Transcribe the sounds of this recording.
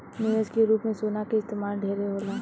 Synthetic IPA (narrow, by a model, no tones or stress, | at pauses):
nuːeskeɾuːpmẽsoːnakeɪst̪eːmaːlɖʱeːɾeɦoːlaː